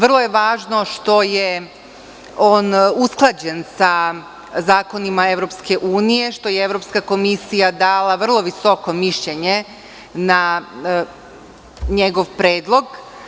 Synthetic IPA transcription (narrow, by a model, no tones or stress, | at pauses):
ʋr̩lˠo̞je̞ʋaːʒno̞ʃt̪o̞je | oːnusklˠad͡ʑe̞nsa | zaːko̞nimae̞ʋɾo̞pske̞ʔuːnije̞ʃt̪o̞jeeʋɾopskako̞misijad̪aːlˠaʋr̩lˠo̞ʋiso̞ko̞miʃʎe̞ɲe | na | ɲeɡo̞ʋpɾeːd̪lˠo̞ɡ